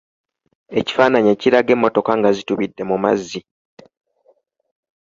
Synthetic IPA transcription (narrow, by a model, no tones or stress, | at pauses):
e̞ci̥faːnaɲeciɾaɡe̞mːo̞to̞kaŋɡazituβidːe̞muma̰zːi